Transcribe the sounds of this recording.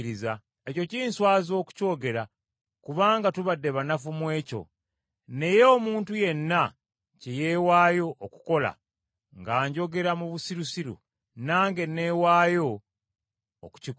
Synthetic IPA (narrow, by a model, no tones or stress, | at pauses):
ɾiza | eco̞ciːnswaːzo̞ːku̥co̞ːɡe̞ɾa | kuβaːŋɡatuβadːe̞βanafumwe̞ːco̞̰ | ne̞jeoːmuːntuje̞nːa | ceje̞ːwaːjo̞ʔoku̥ko̞la̰ | ŋɡaːɲɟo̞ɡe̞ɾamuβusiɾusiɾṵ | naːŋɡe̞nːe̞waːjo̞ | ku̥cik